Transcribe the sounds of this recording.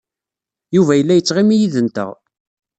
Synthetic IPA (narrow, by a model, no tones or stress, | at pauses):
juvæjəlːæjət͡sːʁimijiðənt̪ə̰ʁ